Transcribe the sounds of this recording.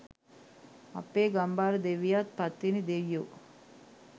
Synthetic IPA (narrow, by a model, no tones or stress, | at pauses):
ɐ̰pːeːɡɐmbaːɾəd̪eʋijaːt̪̚pɐt̪ːinid̪eʋijoː